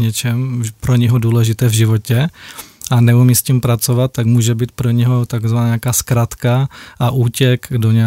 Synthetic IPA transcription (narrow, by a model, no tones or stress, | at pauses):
ɲɛt͡ʃɛmpɾoɲɛɦoduːlɛʒɪt̪ɛːvʒɪvocɛʔanɛumiːscimpɾat͡sovat̪̚ːaɡmuːʒɛbiːt̪̚pɾoɲɛɦot̪aɡzvanaːɲakaːskɾat̪kaʔaʔuːcɛkdoɲ